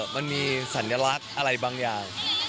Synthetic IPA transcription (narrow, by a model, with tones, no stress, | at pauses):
ma˧nmiː˧sa˩˦njaː˧la˦˥k̚ʔʔa˧ɾa˧jbaː˧ŋjaː˨˩ŋ